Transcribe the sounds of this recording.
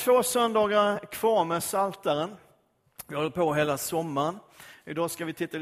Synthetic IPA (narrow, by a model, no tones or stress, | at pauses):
t̪ʰv̥oːsœnd̪ɑːɡaɾkʰv̥ɑːɾmɛsalt̪aɾən | vɪhɔlːəpʰoːɦeːlasɔmːaɾənɪd̪ɑːskavɪt̪ʰɪt̪ːa